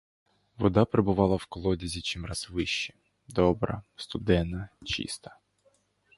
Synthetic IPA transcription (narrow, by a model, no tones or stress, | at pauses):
ʋɔd̪apɾɪbʊʋɑlˠɐwkɔlˠɔdʲizʲit͡ʃɪmrazʋɪʃːɛ | d̪ɔbɾɐ̰st̪ʊd̪ɛnːɐt͡ʃḭst̪ɐ̥